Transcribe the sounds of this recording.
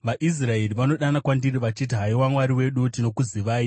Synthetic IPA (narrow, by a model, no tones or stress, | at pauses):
ʋaʔis̬rae̞riʋano̞ɗanakwandiɾiʋat͡ʃitiɦaiwamwaɾiwe̞ɗutino̞kuziʋaːi